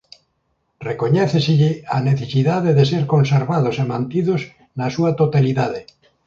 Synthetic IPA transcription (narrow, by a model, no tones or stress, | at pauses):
rekoɲɛθeseʎɪaneθesiðaðeðeseɾkõnseɾβaðosemãnt̪iðos | nasuat̪ot̪aliðaðe